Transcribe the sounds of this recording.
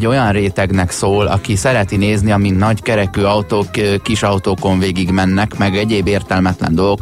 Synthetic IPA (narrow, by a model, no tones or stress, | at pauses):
ɟːo̞jɒnreːt̪ɛɡnɛksoːlɒ̰kisɛɾɛt̪ineːzniɒminnɒɟkɛɾɛkyːɒwt̪oːkkːiʃɒwt̪oːko̞ɱveːɡiɡmɛnːɛkmɛɡɛɟeːbeːrt̪ɛlmɛt̪lɛ̰nd̪o̞lo̞k